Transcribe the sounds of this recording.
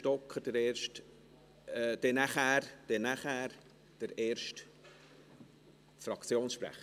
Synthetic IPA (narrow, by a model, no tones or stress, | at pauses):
ʃtɔkχəd̥əɾɛːɾʃt | d̥ɛnæχæːɾd̥ɛnæχæːɾ | d̥əɾeːɾʃt | fɾɑkt͡sjoːnsʃpɾæ̰χə